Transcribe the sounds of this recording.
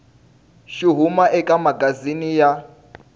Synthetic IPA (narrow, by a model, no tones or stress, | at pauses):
ʃiɦumaʔɛkʼamaɡazinija